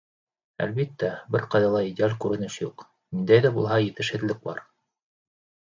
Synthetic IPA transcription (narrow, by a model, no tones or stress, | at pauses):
æ̰lβit̪ːæbɘɾqɑjðɑlˠɑidʲɪalʲkʉɾɘ̆nɘʃjuq | nind̪æjðæbulˠɦɑjɘ̆t̪ɘ̆ʃhɘ̆ðlɘk̚bɑ̰ɾ